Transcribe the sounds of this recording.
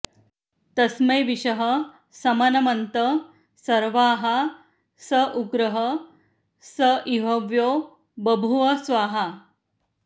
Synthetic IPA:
t̪ɐsməjʋiɕɐɦə | sɐmɐnɐmɐnt̪ə | sɐɾʋaːɦa | səʔuɡɾəɦə | səʔiɦoʋjoː | bɐbʱuʋɐsʋaːɦa

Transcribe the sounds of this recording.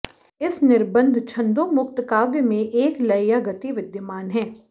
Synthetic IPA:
ɪsnɪɾbə̃nd̪ʱt͡ʃʰɐ̃nd̪õmʊkt̪kaːʋjəmẽʔeːklɐjjaɡɐt̪iʋɪd̪jəmaːnɦɛː

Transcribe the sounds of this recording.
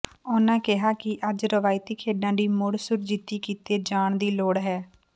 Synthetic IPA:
ʊːnãːkɪɦaːkɪʔəd͡ʒɾəʋaːɪt̪iːkʰeːɖãːd̪iːmʊɽsʊɾd͡ʒit̪iːkiːt̪eːd͡ʒaːɳd̪iːloːɽɦɛː

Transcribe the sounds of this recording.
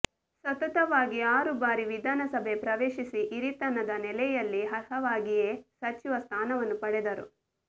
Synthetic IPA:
sʋɐt̪ɐt̪ɐʋaːɡiaːɾubaːɾiʋid̪ʱaːnɐsɐbʱepɾɐʋeːʃisiʔiɾit̪ɐnɐd̪ɐnɛlɛjɐlːiɦɐɾhɐʋaːɡijeːsɐt͡ʃiʋɐst̪ʰaːnɐʋɐnːupɐɽɛd̪ɐɾṵ

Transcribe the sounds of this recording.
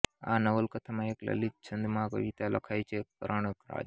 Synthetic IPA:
a̰nəʋəlkət̪ʰamãeklə̰lit̚t͡ʃʰənd̪ʱmãkə̰ʋit̪alə̰kʰajt͡ʃʰek̚əɾəɳəkɾa̰d͡ʒ

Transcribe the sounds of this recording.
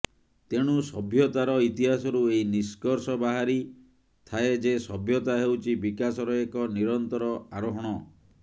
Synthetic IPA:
t̪eɽ̃usɔbʱjɔt̪aɾɔit̪iɦasɔɾueiniskɔɾsɔbaɦaɾi | t̪ʰaed͡ʒesɔbʱjɔt̪aɦewt͡ʃʰibikasɔɾɔekɔniɾɔnt̪ɔɾɔaɾɔɦɔɽ̃ɔ

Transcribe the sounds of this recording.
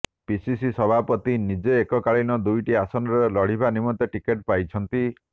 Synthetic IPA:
pisisisɔbʱapɔt̪inid͡ʒeːkɔkaɭinɔd̪ujʈiasɔnɔɾelɔɽ̤ibanimɔt̪eʈikeʈ̚pajt͡ʃʰɔnt̪i

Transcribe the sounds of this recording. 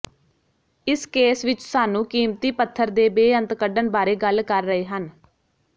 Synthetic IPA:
ɪskeːsʋɪt͡ʃsaːnũːkiːmt̪iːpət̪ʰːəɾd̪eːbeːənt̪kəɖənbaːɾeːɡəlkəɾːəɦeːɦən

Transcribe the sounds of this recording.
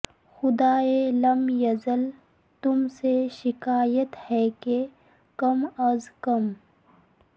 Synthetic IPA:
xʊd̪aːelɐmjɐzəl | t̪ʊmseʃɪkaːjət̪hɛke | kɐmɐzkɐm

